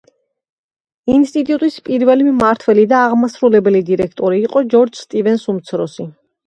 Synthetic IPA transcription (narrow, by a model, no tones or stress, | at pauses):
inst̪ʼit̪ʼut̪ʼispʼiɾvɛlimmaɾt̪ʰwɛlid̪aːʁmasɾulɛbɛlid̪iɾɛkʰt̪ʼɔɾiːqʼɔd͡ʒɔɾd͡ʒst̪ʼivɛnsumt̪sʰɾɔsi